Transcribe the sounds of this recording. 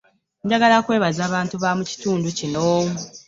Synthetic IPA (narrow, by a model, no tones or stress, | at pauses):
ɲdaɡalakwe̞ːβazaːβaːntuβamuci̥tuːnducinoː